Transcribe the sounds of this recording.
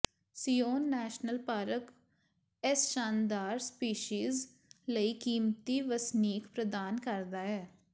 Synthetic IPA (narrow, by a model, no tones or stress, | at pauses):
sijoːnːɛːʃnəlpaːɾək | ɛsʃaːnd̪aːɾspiːʃiːz | ləiːkiːmt̪iːʋəsniːkpɾəd̪aːnkəɾd̪aːɦɛː